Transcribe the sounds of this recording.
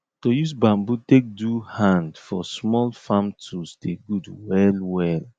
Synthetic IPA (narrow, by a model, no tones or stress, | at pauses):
tojusbãmbutek̚duhãndfɔsmɔlfãmtʰusdeɡudwɛlwɛl